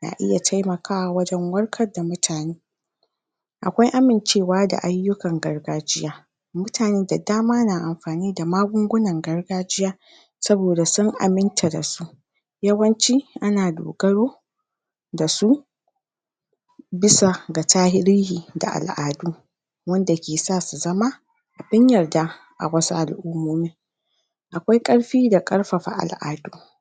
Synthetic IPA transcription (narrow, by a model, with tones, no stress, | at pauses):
na̰ː˨ʔɪ̰˦ja˨tʰa˦jmɐ˨kʰaː˦wa˨wɐ˦d͡ʒɛ˦ŋwɐ˦rkʰɐ˦rda˨mʊ˦tʰaː˨neː˦ | ʔa˨kʷa˦jʔa˦mɪ˨nt͡ʃeː˦˨waː˦da̰˨ʔa˦jːʊ˦kɐ˨ŋɡɐ˨rɡaː˦d͡ʒɪ˦jaː˦ | mʊ˦tʰaː˨neː˦da˨daː˦maː˦naː˨ʔa˨mɸaː˨niː˦da˨maː˦ɡʷʊ˦ŋɡʷʊ˦nɐ˨ŋɡɐ˦rɡaː˦d͡ʒɪ˦jaː˦ | sɐ˦boː˨da˨sʊ˦ŋʔa̰˨mɪ˦ntʰa˨da̰˨su˦ʔ | jɐ˦wɐ˦nt͡ʃiː˦ʔa˦naː˨do̰ː˨ɡɐ˦ɽoː˦ | da˨su˦ | bɪ˦sa˨ɡa˨taː˦hɪ˦ɾiː˦hiː˨da̰˨ʔa̰˨lʔaː˨duː˦ | wɐ˦nda˨kʲeː˨saː˦˨su˨zɐ˦ma˦ | ʔa˨bɪ˦ɲjɐ˨rdaː˦ | ʔa̰˨wɐ˦su˦ʔa˨lʔʊ˦mːoː˦miː˦ | ʔa˨kʷa˦jkʼɐ˦ɽɸiː˦da˨kʼɐ˦ɽɸa˨ɸa̰˨ʔa̰˨lʔaː˨duː˦